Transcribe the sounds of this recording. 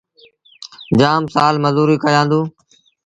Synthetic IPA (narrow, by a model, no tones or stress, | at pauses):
d͡ʒaːmsaːlməzuːɾiːkəjãːnd̪ũː